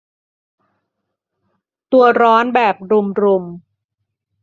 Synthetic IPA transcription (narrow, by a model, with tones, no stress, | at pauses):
t̪u˧ɐɾɔː˦˥nbɛː˨˩p̚ɾu˧mɾu˧m